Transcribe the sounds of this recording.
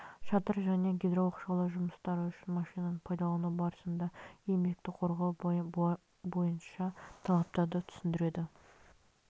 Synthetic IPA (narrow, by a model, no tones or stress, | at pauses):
ʃɑt̪əɾʒæne̞ɡʲed̪ɾowɑqʃɑlˠəʒʊməst̪ɑɾəʏʃɪnmɑʃijnɑnəɴpʰɑjd̪ɑlˠənəbɑɾəsənd̪ɑe̞mbek̚t̪ɪqʰo̞ɾʁɑw | bo̞jənʃɑt̪ʰɑlˠɑp̚t̪ɑɾd̪ət̪ʰʏ̥sɪnd̪ɪɾe̞d̪ɪ